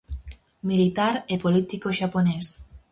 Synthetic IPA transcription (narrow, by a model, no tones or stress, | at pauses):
milit̪aɾepolit̪ikoʃapones